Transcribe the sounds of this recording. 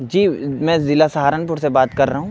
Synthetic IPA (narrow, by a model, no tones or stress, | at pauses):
d͡ʒiːmɛ̃ːzɪlasɐɦaːɾənp̬ʊɾsebaːt̪kɐɾːɐɦũː